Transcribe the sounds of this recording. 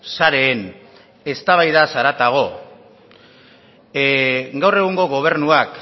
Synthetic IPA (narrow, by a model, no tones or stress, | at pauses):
saɾe̞ːn | e̞st̪aβ̞ajðasaɾat̪aɣ̞o̞ | ɡawre̞ɣ̞uŋɡo̞ɣ̞o̞β̞e̞ɾnuak